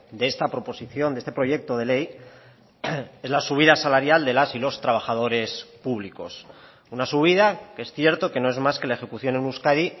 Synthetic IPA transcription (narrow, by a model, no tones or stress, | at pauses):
d̪eest̪apɾo̞po̞siθjo̞nd̪est̪e̞pɾo̞ʝe̞k̚t̪o̞ð̞e̞le̞j | e̞zlasuβ̞iðasalaɾjald̪e̞lasilo̞st̪ɾaβ̞axað̞o̞ɾe̞spuβliko̞̰s | unasuβ̞iðakee̞sθje̞ɾt̪o̞ke̞no̞ezmaske̞laexe̞kuθjo̞nenuskaði